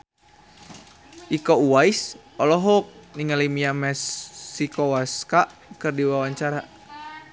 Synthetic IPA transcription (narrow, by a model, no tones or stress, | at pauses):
ʔikɔuwais | ɔlɔɦɔk̚niŋalimiamɛsːikɔwaskaʔ | kɨrdiwawaɲt͡ʃaɾa